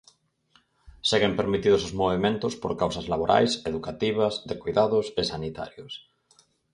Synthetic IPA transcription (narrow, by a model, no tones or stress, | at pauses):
seɣempeɾmit̪iðʊsozmoβ̞emẽnt̪ʊspo̰ɾkawsɐzlaβoɾʔa̰jseðukat̪iβ̞ɐzðekujðaðʊsesanit̪a̰ɾjʊs